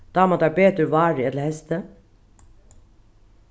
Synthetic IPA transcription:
d̪̥ɑːmɑt̪ɑɾbeːt̪ʉʋɑːɾɪɛt̪ləhɛst̪ə

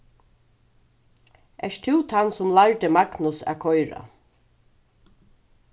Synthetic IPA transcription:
ɛ̰ʂt̪ʰɪwt̪ʰansʊmlaɹt̪ɪmaɡnʊsa̰kʰɔjɾa̰

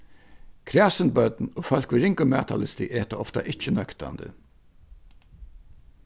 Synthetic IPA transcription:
kʰɾæːsənbœt̪noːfœl̥kʋɪɾɪŋkʊmæːt̪ʰalɪst̪ɪʔeːt̪aɔft̪a̰ʔɪt͡ʃːənœkt̪a̰nd̪ə̰

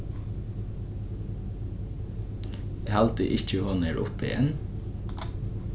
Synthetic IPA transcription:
ehɑlt̪ə̰ʔɪc͡çəhɔnəɹʔʊ̰pɪ̰jɛ̰n

